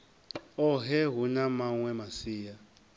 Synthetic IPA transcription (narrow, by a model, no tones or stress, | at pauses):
ɔɦɛɦunamaŋwɛmasiːja